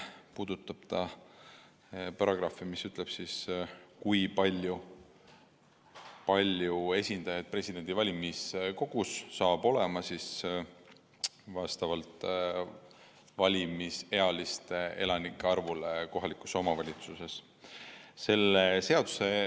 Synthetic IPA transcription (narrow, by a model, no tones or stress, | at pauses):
puːd̪̥ut̪ːˑɑb̥t̪ɑ | pɑɾɑɡ̥rɑfimisyt̪ˑle̞b̥siskujpɑlʲju | pɑlʲjue̞sʲind̪ɑjɑd̪̥̚pre̞sʲid̪̥e̞nd̪̥ivɑlʲimisko̞ɡ̥usːɑːb̥o̞le̞mɑsis | vɑst̪ɑvɑlt̪ˑ | vɑlʲimise̞ɑlist̪ee̞lɑnikˑːeɑrvuleko̞ɦɑlikˑu̥so̞mɑvɑlʲit̪suse̞s | se̞lːese̞ɑd̪u̥se̞